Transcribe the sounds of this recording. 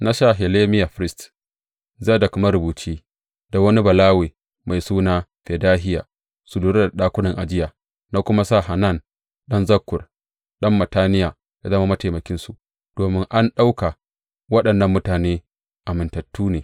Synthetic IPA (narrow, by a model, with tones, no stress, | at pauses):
na˦ʃaː˦ɦe˨leː˦mɪ˦ja˨ɸɾɪ˦st | zaː˦˨da˨kʷʊ˦ma˦ɾʊ˨buː˨t͡ʃeː˦ | da˨wɐ˦ni˦bɐ˨laː˦weː˨ | ma˨jsuː˦naː˦ɸe˨daː˦ɦɪ˦ja̰ː˨ | sʊ˨luː˦ɾe˦da˨ɗaː˦kʷʊ˦nɐ˨ŋʔa˨d͡ʒɪ˦jaː˨ | na˦kʷʊ˦ma˦saː˦˨ɦa˨na˦˨n | ɗɐ˦nzɐ˦kːʊ˨r | ɗɐ˦mːɐ˨taː˦nɪ˦jaː˨ | ja˨zɐ˦ma˦mɐ˦ta˨mɐ˨kʲɪ˦nsu˨ʔ | d̥oː˨mɪ˦ŋʔa˦nɗa˦wka˨ | wɐ˦ɗɐ˨nːɐ˦mːʊ˦taː˨neː˦ | ʔa˨mɪ˨ntɐ˨tːuː˦neː˨